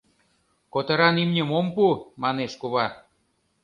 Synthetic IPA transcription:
kot̪ɤ̆ɾɑnimnʲemompumɑneʃkuβɑ

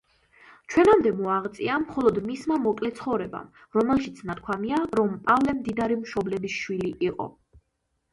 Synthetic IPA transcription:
t͡ʃʰwɛnamd̪ɛmɔaʁt̪sʼiamχɔlˠɔd̪mismamɔkʼlɛt̪sʰχɔvɾɛba̰m | ɾɔmɛlˠʃit̪sʰnat̪̚kʰwamiaɾɔmpʼavlɛmd̪id̪aɾimʃɔblɛbisʃwiliʔiqʼɔ̰

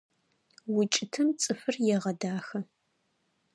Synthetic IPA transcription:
wʊt͡ʃʼɪtʰɨmt͡sʼɨfɨrjɛʁɐdaːxɐ

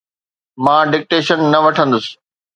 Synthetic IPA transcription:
mãːɖɪk̚ʈeːʃənːɐʋɐʈʰə̃nd̪ʊsɪ̥

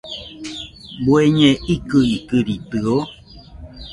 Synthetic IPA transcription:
bweɲeʔikɨikɨɾitɨo

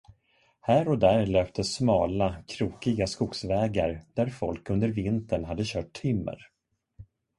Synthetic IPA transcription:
hæːɾɔd̪æɾløːpt̪ʰəsmɑːlakʰɾuːkɪɡaskuːksvɛːɡaɾd̪̥æɾfɔlkɵnd̪əɾvɪnt̪əɳɦad̪ːəɕœːʈ̚t̪ʰʏmːə̰ɾ

